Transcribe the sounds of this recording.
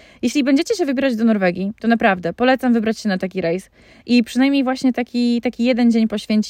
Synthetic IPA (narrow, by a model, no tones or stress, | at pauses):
jeɕlʲibɛɲd͡ʑet͡ɕɛɕ̬ɛvɘbʲjɛɾad͡ʑd̪ɔnɔɾvɛɡʲit̪ɔnapɾavd̪ɛpɔlɛt̪samvɘbɾat͡ɕɕɛnat̪akʲiɾɛjs | ʔipʂɨnajmʲɲejvwaɕɲɛt̪akʲit̪akʲijɛd̪ɛnd͡ʑeɲpɔɕfʲeɲt͡ɕ